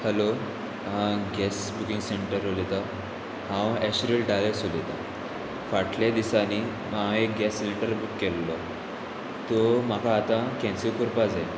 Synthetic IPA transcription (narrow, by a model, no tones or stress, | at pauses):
həlo | ãɡɛsbukĩŋɡseɳʈəɾɦolit̪a | hãwɛɕɾilɖalesolit̪a | faʈljad̪isani | mãek̚ɡɛsːleʈəɾbukːɛlːɔ | t̪ɔm̤akaːt̪ãkɛ̃nsikuɾpad͡zae